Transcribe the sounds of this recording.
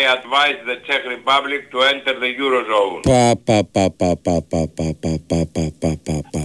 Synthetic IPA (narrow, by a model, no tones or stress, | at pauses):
jadvajzðət͡ʃɛkɾipablɪk̚t̪uɛ̃nt̪əɾðəjuɾozõʊ̃npapapapapapapapapapapapaa